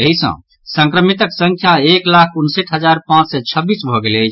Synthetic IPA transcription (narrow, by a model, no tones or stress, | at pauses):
əɦisə̰̃ | sə̃ŋkɾəmit̪əksə̃ŋkʰjaeklakʰunseʈɦəd͡ʒaɾpãt͡ʃsɛt͡ʃʰəbːisbʱɔɡelet͡ʃʰ